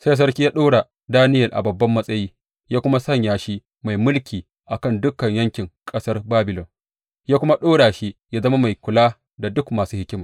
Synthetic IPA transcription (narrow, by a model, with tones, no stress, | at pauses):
sa˦js̬ɐ˦rkʲi˦jaː˦ɗoː˦ɽa˨ | daː˦nɪ˦jɐ˨lʔa̰˨bɐ˨bːɐ˦mːɐ˦sʼɐ˦jiː˦ | jaː˦kʷʊ˦ma˦sɐ˦˨ɲjaː˨ʃi˦ | ma˨jmʊ˦lkʲʰiː˨ | ʔa˨kɐ˦˨ndʊ˦kːɐ˨ɲjɐ˦ŋkʲɪ˨ŋkʼɐ˦sɐ˦rbaː˦bɪ˨lɔ˨n | jaː˦kʷʊ˦ma˦ɗoː˦ɽaː˨ʃi˦jaː˦zɐ˦ma˦ma˨jkʷʊ˨laː˦ | da˨dʊ˦kmaː˨suː˦hɪ˦kʲɪ˦ma˨